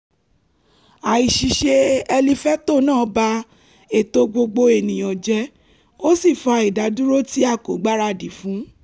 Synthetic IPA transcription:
a˨i˨ʃi˨ʃe˧ɛ˧li˧fɛ˦to˦˨nãː˦˨˦ba˧ | e˨to˧˦ɡ͡bo˧ɡ͡bo˧e˨nĩ˨j̃ɔ̃˨d͡ʒɛ˧˦ | o˦si˦˨fɔ˧˦i˨da˨˦du˦ɾo˦ti˦a˦˨ko˨˦ɡ͡ba˦ɾa˧di˨˦fũ˨˦

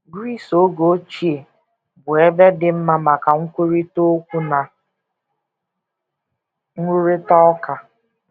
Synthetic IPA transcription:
ɡɾi˦˨so˦ɡo˦t͡ʃi˦e˨ | bʊ˨e˦be˦dɪ˦m̩˦ma˦ma˨ka˨ŋ̩˦kʷe˦ɾi˦to˦kʷu˦na˨ | ŋ̩˦u˦ɾɪ˦tɔ˦ɔ˦ka˨

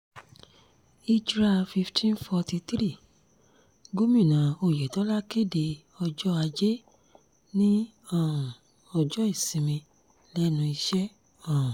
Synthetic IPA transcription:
i˦d͡ʒɾa˧fi˧ftʰĩ˦n˦fɔ˧ti˧t̪ɾi˦˨ | ɡo˦mĩ˦˨nã˨o˧˨jɛ˨tɔ˨˦la˦ke˦de˧ | ɔ˧d͡ʒɔ˦a˧d͡ʒe˦ | nĩ˦ | ɔ˦˨ũ˨ | ɔ˧d͡ʒɔ˦i˦˨sĩ˧mĩ˧ | lɛ˦nũ˧i˧ʃɛ˦ | ɔ˦˨ũ˨

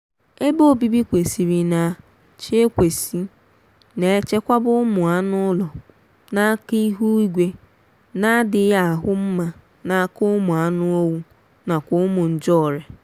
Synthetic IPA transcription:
e˦bo˦˨bi˦bi˦kʷe˨si˨ɾi˨na˨ | t͡ʃe˦e˦kʷe˨si˦ | ne˨e˦t͡ʃe˦kʷa˦bʊ˦mʊ˨a˦nʊ˦ʊ˦lɔ˨ | na˦ki˦ɦu˦i˦ɡʷe˦ | na˦dɪ˨˦ja˦a˨ɦʊ˦m̩˦ma˨ | na˨˦kʊ˦mʊ˨a˦nʊ˦o˦wu˦ | na˨kʷʊ˦mʊ˨n̩˨d͡ʒɔ˦˨ɾe˨

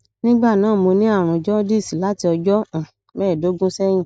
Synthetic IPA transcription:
nĩ˦ɡ͡ba˦˨nãː˨˦˨mo˧nĩ˦a˦˨ɾ̃ũ˧d͡ʒɔ˦di˦˨si˨la˨˦ti˧ɔ˧d͡ʒɔ˦ã˨ | mɛː˦˨do˨˦ɡũ˦sɛ˦j̃ĩ˦˨

